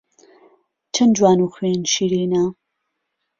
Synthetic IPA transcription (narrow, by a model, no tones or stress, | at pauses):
t͡ʃʰɐnd͡ʒwaːnuːxweːnʃiːɾiːna